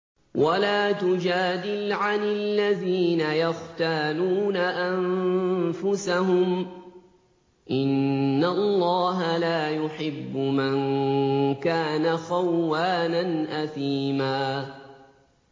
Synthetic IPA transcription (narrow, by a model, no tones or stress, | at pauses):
wʔalaːt̪ʊd͡ʒaːd̪ɪlʕanɪlːaðiːnajaxt̪aːluːnaʔamfʊsaɦʊm | ʔɪnːallˤːɑːɦalaːjʊħɪbːʊmaŋ | kaːnaxawːaːnanʔaθiːmaː